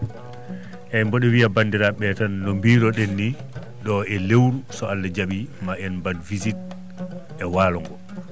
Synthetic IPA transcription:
ʔɛmbɔɗɛwiabandiɾaɓɛtanːombiːɾɔɗenːi | ɗɔɛlewɾusɔalːad͡ʒaɓimaʔɛnbadvizit̚ | ʔɛwaːlɔŋɡɔ

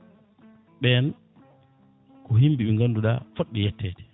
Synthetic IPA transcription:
ɓɛn | kʰɔhimbiɓɛŋɡanduɗa̰foɗːɛjɛtːɛːtɛ̥

